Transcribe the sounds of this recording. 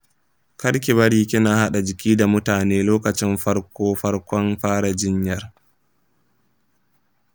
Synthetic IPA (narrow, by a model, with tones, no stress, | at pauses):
kɐ˦ɽk̬ʲɪ˨βɐ˦ɽiː˦kʲɪ˦naː˨ha˦ɗa˨d͡ʒɪ˨kʲiː˦da˨mʊ˦taː˨neː˦loː˦kɐ˨t͡ʃɪ˦mɸɐ˦ɽkʷoː˦ɸɐ˦ɽkʷɔ˦nɸaː˦ɽa˨d͡ʒɪ˦ɲjɐ˨r